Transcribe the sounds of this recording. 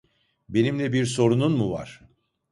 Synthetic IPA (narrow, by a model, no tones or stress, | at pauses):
be̞nimlʲɛbiɾso̞ɾununmuva̰ɾ̥